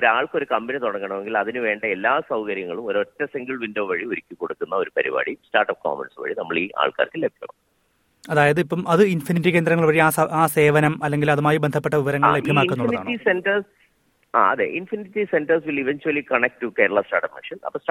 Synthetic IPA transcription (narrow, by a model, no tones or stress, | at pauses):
oɾaːɭko̞ɾukɐmbinɐt̪oɽɐŋːɐɳɐmeŋɡilɐðinɨʋe̞ːɳɖɐelːaːsɐwkɐɾjɐŋːɐɭumoɾotːɐsiŋɡɨɭʋindoːʋɐɻioɾikʲːɨkoɽukːunːɐo̞ɾupɐɾḭʋa̰ːɽistaːrʈɐp̚ko̰ːmḛɳsʋɐ̰ɻinɐmːɐɭiːʔa̰ːɭka̰ːrkːɨlebʱjɐɐ̰ɳɐ̰m | ɐðaːjɐðɨipːɐmɐðɨinfiniʈːik̬ʲend̪rɾɐŋːɐɭʋɐɻiaːsɐaːse̞ːʋɐnɐmɐlːe̞ŋɡilɐðumaːjibend̪ʱɐp̬ːe̞ʈːɐʋiʋɐɾɐŋːɐːɭle̞bʱjɐmaːkunːuɭɐniðaːɳːientɐrs | a̰ːɐðḛʔinfinitːisentɐrsʋiliʋent͡ɕuɐlikɐɳek̚ʈʈːukeːɾɐɭːɐstaːʈɐpmḭʂɐnɐ̰pːɐs